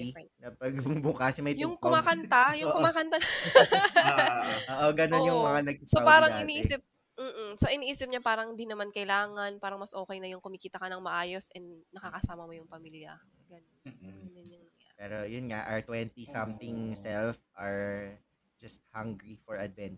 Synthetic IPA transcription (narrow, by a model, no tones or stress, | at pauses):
nɐpɐɡbʊkasmɐjjʊŋkʊmaːkɐnt̪ajʊkʊmaːkɐnt̪a | oʔoɡɐnonjʊŋmɐŋanɐɡ̚sopaːɾɐɪniːʔiːsɪp̚ | m̩ːm̩soʔɪniːʔiːsɪp̚ɲapaːɾɐŋd̪inɐmankɐʔɪlaːŋɐnpaːɾɐŋmɐsʔo̞ːkɐjnɐjʊŋkʊmikiːt̪ɐkɐnɐŋmɐʔaːjo̞sʔɛnd̪nɐkɐkɐsaːmɐmojʊŋpɐmiːljɐ | ɡɐnonːnɛnɐnapɛːɾojʊnŋaʔɐɹt̪wɛnt̪isɐmt̪ɪŋsɛlfʔaɹ | d͡ʒɐst̪̚haŋɡɾifɔɹɐd̪̚vɛnt͡ʃ